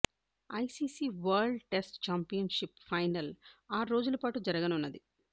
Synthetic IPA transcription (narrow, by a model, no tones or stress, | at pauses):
ɐjsiːsiːʋɐɾɖʈesʈt͡ʃaːmpijɐnʂipfɐjnɐlaːɾo̞ːd͡ʒulɐpaːʈud͡ʒɐɾɐɡɐnunːɐd̪i